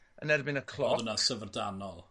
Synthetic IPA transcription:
ə̰nɛrbɪnəkʰlˠɔənasəvərdanɔlˠ

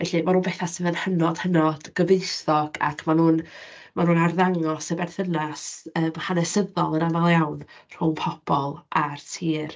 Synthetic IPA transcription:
vɛɬimanuːnbɛθasəvənhənɔd̥hənɔd̥ɡ̥əvejsɔɡ̥a̰kʰmanuːnmanuːnarðaŋɔsəbɛrθənasəːmhanɛsəðɔlˠənavalˠjawnr̥ʊŋpʰɔb̥ɔlˠartʰiːr

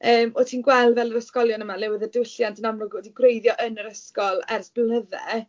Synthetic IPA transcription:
əːmɔtʰiːnɡwɛlˠdvɛlˠəɾəskɔlˠjɔnəmalɛwəðədwɪɬjantʰənamrʊɡɔdinɡwrejðjɔʔənəɾəskɔlˠɛrsb̥lnəðɛ̰

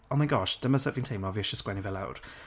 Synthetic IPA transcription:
omaɪɡɔʃd̥əməsəpvɪ̃ŋtʰẽɪ̃mɔviəʃəskwɛnivəla̰ʊd̥

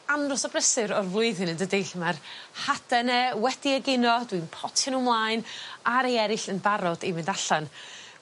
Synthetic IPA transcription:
anrɔsɔbrəsɨɾɔrvlˠʊɨðɪnəndədeɬmarhad̥ɛnɛwɛdiəɡɪnɔd̥winpʰɔtʰənumlˠaɨnaɾejɛɾɪɬənbaɾɔdimɪndaɬan

